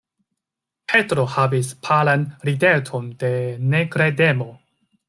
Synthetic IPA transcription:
pʰe̞tɾo̞havispʰalanɾidetʰo̞nde̞nekɾede̞mo

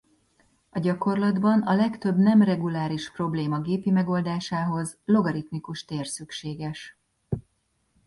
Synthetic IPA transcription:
ɒɟɒko̞rlɒd̪bɒnɒlɛkt̪øbnɛmrɛɡulaːɾiʃpro̞bleːmɒɡeːpimɛɡo̞ld̪aːʃaːɦo̞zlo̞ɡɒɾit̪mikuʃt̪eːrsykʃeːɡɛʃ

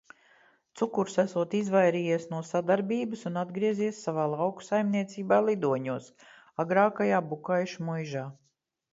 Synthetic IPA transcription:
t̪sukuɾsæsuɔt̪izvajɾiːjiɛsnuɔsad̪aɾbiːbɨsunad̪ɡɾiɛziɛsːavaːlˠawku̥sajmniɛt̪siːbaːlˠid̪uɔɲuɔs | aɡɾaːkajaːbukajʃmujʒaː

